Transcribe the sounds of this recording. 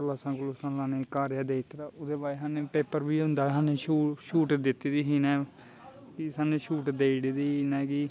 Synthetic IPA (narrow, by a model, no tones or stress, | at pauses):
əlaːsãːkʊloːsãːlãːneːkaːɾjaːd̪eːɪt̪ɾaːʊd̪eːbaːeɦãːnẽːpeːpəɾbiːʊ̃nd̪aːɦãːneːʃuːʃuːʈd̪ɪt̪ːiːd̪iːɦiːnɛː | kɪsaːnẽːʃuːʈd̪eːɽiːd̪iːɦinɛːkɪ